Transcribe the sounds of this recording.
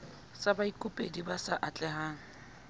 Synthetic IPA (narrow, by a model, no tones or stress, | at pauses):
sabaikʼʊpʼedibasaʔat͡ɬʼɛhaːŋ̩